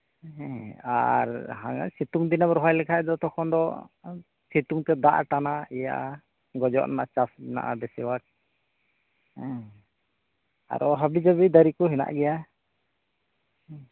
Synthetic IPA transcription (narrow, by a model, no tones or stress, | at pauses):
ɛ̃a̰ɾɦa̰ŋa̰sit̪uŋd̪inabɾɔɦɔjlɛkʰaɛd̪ɔt̪ɔkʰɔnd̪ɔ | sit̪uŋt̪ɛd̪aʔʈanaɛja̰ʔa | ɡɔd͡ʒɔ̰ʔnanaʔat͡ʃasna̰ʔab̪ɛsɛwak̚ | a̰ɾʔɔɦabid͡ʒabid̪aɾikɔɦɛna̰ʔɡɛja